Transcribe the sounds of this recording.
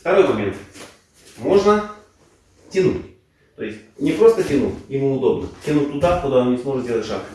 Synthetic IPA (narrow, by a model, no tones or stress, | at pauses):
ft̪ɐɾo̞jmɐmʲḛnt̪ | mo̞ʐnə | tʲɪnutʲ | t̪o̞jɪsʲtʲnʲɪpɾo̞st̪ətʲɪnṵjɪmuʊd̪o̞bnətʲɪnut̪ːʊd̪akʊd̪aɐnnʲɪsmo̞ʐɨt̪dʲelˠətʲʂa̰k